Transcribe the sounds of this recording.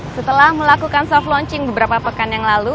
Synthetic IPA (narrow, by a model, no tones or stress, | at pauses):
sət̪əlahməlakukansɔflɔɲt͡ʃɪŋbəbəɾapapəkanjaŋlalu